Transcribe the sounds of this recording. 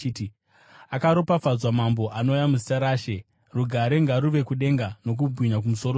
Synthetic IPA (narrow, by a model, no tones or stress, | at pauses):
t | akaɾopafazwamambo̞ʔano̞jamuzitaɾaːʃe̞ | ruɡʱaɾe̞ŋɡaɾuʋe̞kuɗe̞ŋɡano̞k̬ubʱwiɲak̬umuso̞ɾo